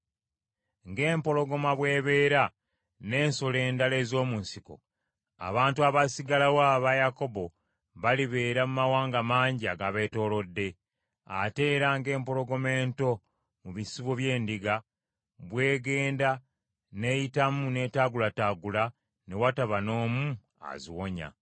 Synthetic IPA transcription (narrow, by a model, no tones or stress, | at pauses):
ŋɡe̞ːmpo̞loɡo̞maβwe̞ːβe̞ːɾa | ne̞ːnsole̞ːndale̞ːzo̞ːmuːnsiko̞̰ | a̰βaːntuaβasiɡalawaːβajako̞bo̞ | βaliβe̞ːɾamumawaːŋɡamaːɲɟiaɡaβe̞to̞ːlo̞dːe̞ | a̰te̞ːɾaːŋɡe̞ːmpoɾo̞ɡo̞me̞ːnto̞ | muβisiβoβje̞ːndiɡa | βwe̞ːɡe̞ːnda | ne̞jitamune̞ːtaɡulataːɡula | ne̞wataβano̞ːmu | a̰ziwo̞ɲa̰